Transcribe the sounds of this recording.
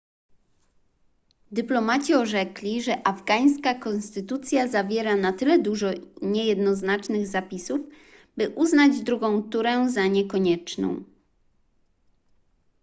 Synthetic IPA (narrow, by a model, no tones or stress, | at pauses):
d̪ɘplɔmat͡ɕiɔʐɛklʲiʐɛʔavɡaj̃skakɔ̃nst̪ɘt̪ut̪sʲjazavʲjɛɾanat̪ɘlɛd̪uʐɔɲɛjɛd̪nɔznat͡ʂnɘɣzapʲisuv | bɘʔuznad͡ʑd̪ɾuɡɔ̃w̃t̪uɾɛzaɲɛkɔɲɛt͡ʂnɔ̰̃w̃